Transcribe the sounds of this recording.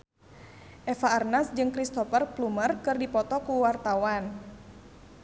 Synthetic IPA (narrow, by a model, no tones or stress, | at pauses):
ʔɛfaːrnasd͡ʒɨŋkɾist̪ɔfərplumərkɨrdipɔt̪ɔkuwart̪awan